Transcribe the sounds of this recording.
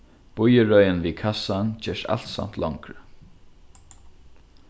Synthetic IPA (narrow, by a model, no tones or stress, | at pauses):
b̥ʊjəɹœjənviːkʰasant͡ɕɛːʂa̰l̥t̪sa̰m̥t̪lɔŋkɾə